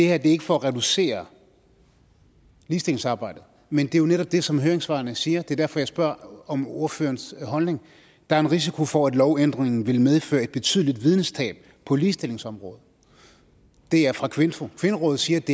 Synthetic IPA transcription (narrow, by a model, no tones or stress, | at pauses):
d̥e̝heɐde̝e̝ɡ̥əfɒæʁɛd̥use̝̰ːɐ | liːsd̥e̝le̝ŋsɑ̈ːb̥ɑ̈ɪ̰d̥ð̩ˠ | mend̥e̝jo̝neɾɒ̽b̥̚d̥e̝sɒ̽mɦøːɐeŋsʋɑ̈ːɐnəsiːɐd̥e̝ɐdæɐfɒ̽jɑɪsb̥ɶɐ̰ɒ̽mo̝ɐfø̰ːɐnsɦɒ̽lne̝ŋ | d̥ɑ̈æɐenʁis̬ikʰo̝fɒæd̥lɒʊend̥ʁeŋn̩ʋe̝lmeð̞ˠfø̰ːɐe̝d̥̚b̥e̝t͡sʰy̰ð̞ˠlid̥ʋið̞ˠnəsd̥ʰɛ̰ːb̥̚ | pʰɒ̽liːsd̥e̝le̝ŋsɒ̽mʁɔ̽ːð̩ˠ | d̥e̝æɐfʁɑ̈kʰʋe̝nfokʰʋe̝nəʁɔ̽ːð̩ˠsiːɐd̥e̝